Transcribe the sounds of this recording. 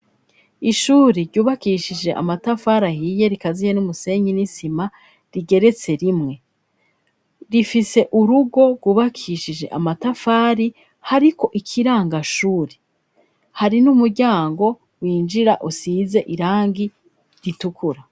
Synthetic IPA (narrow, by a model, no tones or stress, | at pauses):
iʃuːɾiɾɟuːβakiʃid͡ʒe̞ʔa̰matafaːɾahiːje̞ɾikazije̞numuse̞ːɲinisima | ɾiɡe̞ɾe̞t͡se̞ɾimŋe̞ | ɾifise̞ʔuɾuɡo̞ɡwuːβakʰiʃid͡ʒe̞̰ʔamatafaːɾi | haɾiko̞ʔikʰiɾaːŋɡaʃuːɾe | haɾinumuɾɟaːŋɡo̞ | wiːnd͡ʒiɾa̰ʔusiːze̞ʔiɾaːŋɡi | ɾitukʰuɾa